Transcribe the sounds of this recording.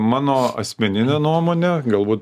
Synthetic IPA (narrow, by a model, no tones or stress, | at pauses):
mɑːnoːɐ̰sʲmʲɛnʲɪnʲeːnuɔmoːnʲeɡɐlˠbuːt̪